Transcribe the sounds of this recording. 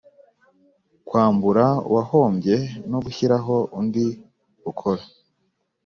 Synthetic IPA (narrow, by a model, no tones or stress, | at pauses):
kwaːmbuɾaṵwaho̞ːmbje̞noɡuçiɾaɦo̞ʔundi | ukʰoɾa